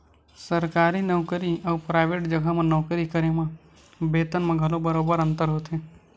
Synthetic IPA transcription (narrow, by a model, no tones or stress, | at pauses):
səɾkaːɾinəʋkəɾiɐːpɾaːɪʋeːʈd͡ʒəɡəmẽnɔːkɾikəɾemã | beːt̪ənmẽɡʱɐlobəɾoːbəɾə̃nt̪əɾɦoːt̪eː